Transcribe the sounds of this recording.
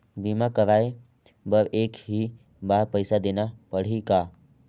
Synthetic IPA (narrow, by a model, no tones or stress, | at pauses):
bimãkəʋae | bəɾʔekɦi | baɾpəjsad̪enapəɽ̤ika